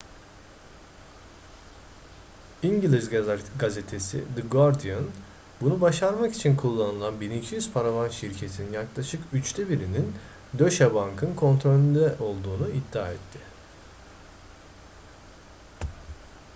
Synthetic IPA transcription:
iɲɟilʲizɡazet̪ʰe̞sḭd̪ɯɡoɾd̪ian | bunubaʃaɾmaki̥t͡ʃʰinkʰulˠːanɯlˠanbinicʰijyz̥pʰaɾavanʃiɾcʰe̞t̪ʰininjaklˠaʃɯkyt͡ʃt̪ʰɛbiɾinin | d̪ø̞ʃabaŋkʰɯnkʰo̞nt̪ʰɾo̞lʲynd̪ɛʔo̞lˠd̪uːnuid̪ːa̰ːɛt̪ʰːɪ

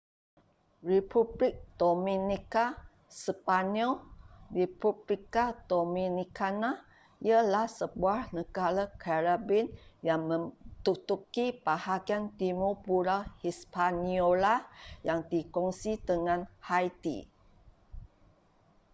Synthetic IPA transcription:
ripublik̚d̪̥omĩnika | səpanɔlripublikad̪̥omĩnikana | iəlahsəbuahnəɡalakʰaɾabinjaŋmə̃mt̪ut̪ukipahaɡiant̪imupuɾahispaniolajaŋdikɔŋsit̪əŋãnhajt̪ḭ

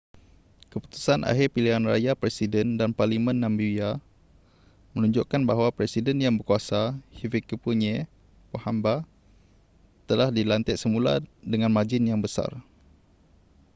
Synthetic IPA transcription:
kəpu̥t̪u̥sanʔa̰ɦirpiliɦanra̰japɾɛsidəndanparlimə̃nːãmbija | mənũɲd͡ʒoʔkanbaɦwapɾɛsidənjaŋbərkuasahivikəpuɲɛ | pohamba | t̪əlahdilant̪ɛʔsəmula̰dəŋãnmad͡ʒɪnjaŋbəsa̰r

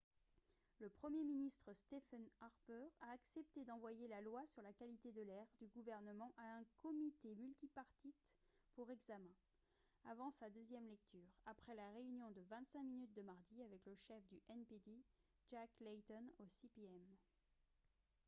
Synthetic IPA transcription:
ləpχəmjeminist̪χəst̪efanaʁpœʁaːksɛp̚t̪ed̪ɑ̃vwajelalwasyʁlakalit̪ed̪əlɛʁd̪yɡuvɛʁnəmɑ̃ʔaɛ̃kʰɔmit̪emylt̪ipaʁt̪it̪puʁɛɡzamɛ̃ | avɑ̃sad̪øzjɛmlɛk̚t̪ʰyːʁapχɛlaʁeynjɔ̃d̪əvɛ̃t̪sɛ̃minyt̪̚d̪əmaʁd̪iavɛkləʃɛfd̪yʔɛnped̪i | ʒaklɛt̪ɔnosipiɛm

